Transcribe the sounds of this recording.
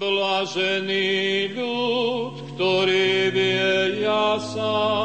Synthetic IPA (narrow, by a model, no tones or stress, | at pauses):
blaːʒɛniːʎut̪kt̪ɔɾiːbiɛjasa